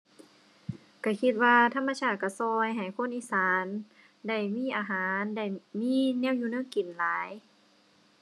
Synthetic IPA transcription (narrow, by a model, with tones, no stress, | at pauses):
ka˧˩kʰi˧t̪̚waː˧t̪ʰa˧˥˨mːaː˧t͡ɕʰaː˧˩ka˧˩sɔː˧jɦa˨˩jkʰo˧˥˨nʔiː˧˥˨saː˨˦n | da˧˩jmiː˧˥˨ʔaː˨˧ɦaː˨˦nda˧˩jmiː˧˥˨nɛː˧˥˨wjuː˧nɯː˧˥˨ŋki˨˩nlaː˨˦j